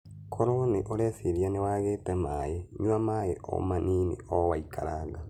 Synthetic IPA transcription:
kʰoɾoneʔoɾɛseɾianewaːɣeːtɛmajeɲuamajeʔɔ̰maninḛɔwaikʰa̰ɾaɣa

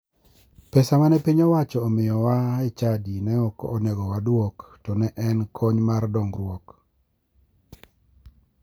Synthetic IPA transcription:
pɛsamanɛpiɲɔwat͡ʃɔːmɪjɔwaɛt͡ʃadinɛɔkɔ̰ːnɛɡɔwadwoktɔnɛʔɛnkʰɔɲmardɔŋɡɾwok

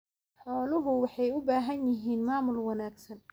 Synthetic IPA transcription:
ħɔːlʊɦʊwɑħɑjʊbaːɦɐnjɪɦiːnmaːmʊlwɐnaːɡsɐn

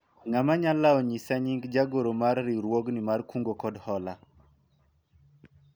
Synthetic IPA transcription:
ŋamaɲalaɔɲisaɲiŋɡd͡ʒaɡoɾomarːiɾwoɡnimarkuŋɡokɔdhɔla

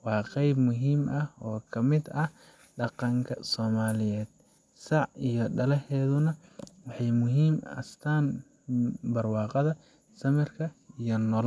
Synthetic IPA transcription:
wɑːqɛjbmʊɦiːmʔɐhɔːkʰɐmɪd̪ɐh | ɖɑqɑŋkʰɐsɔːmaːlɪjɛːd̪̥̚ | sɑʕijɔɖɐlɐhɛːðʊnɐwɑħɑjmʊɦiːmɐ̰st̪ʰaːn | bɐrwɑːqɑðɐ | sɐmɪrkʰɐijɔnɔl

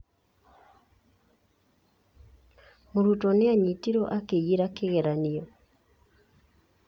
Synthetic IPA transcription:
moɾutɔnɪaɲitiɾoʔakejiɾakeɣɛɾaniɔ

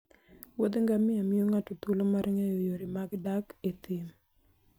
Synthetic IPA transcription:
wod̪ŋɡamɪamɪoŋatot̪ulomaɾʔɪŋejojoɾimaɡdaket̪im

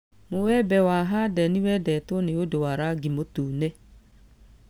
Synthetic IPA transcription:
mowɛbɛwaɦadɛniwɛdɛtoneodowaɾaɡimotuːnɛ

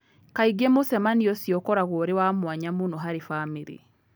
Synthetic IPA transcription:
kaiɡemosɛmaniɔsiɔkɔɾaɣoɾewamwaɲamunoɦaɾifamiɾḭ

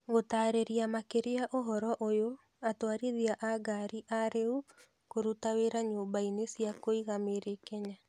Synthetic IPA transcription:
ɣotaːɾeɾiamakeɾeaʔoɦɔɾɔʔojo | atwaɾiðiaʔaɡaɾiʔaɾeu | koɾutaweɾaɲoːmbainesjakoiɣameɾekɛɲa

